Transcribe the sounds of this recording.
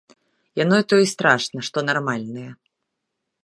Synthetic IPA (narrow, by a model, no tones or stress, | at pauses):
janɔit̪ɔjist̪ɾaʂnɐʂt̪ɔnarmalʲnɨjɛ